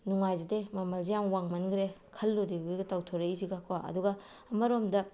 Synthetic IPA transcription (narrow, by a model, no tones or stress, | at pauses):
nuŋajzidemɐmɐlzijaŋwaŋmɐnɡɾekʰɐlːoɾibɯɡetawtʰoɾeiziɡakwaʔɐ̰duɡɐ | ɐmɐɾomdɐ